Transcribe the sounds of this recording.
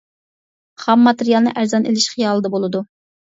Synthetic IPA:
χɑmːɑt̪ɪɾijɑlˠnɨ̰ʔæɾzɑnʔelɪʃχijɑːlˠɨd̪ɑbolˠɨd̪u

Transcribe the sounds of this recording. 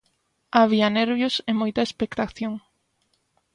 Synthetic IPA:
aβ̞iɐnɛɾβjosemojt̪ɐespekt̪aθjoŋ

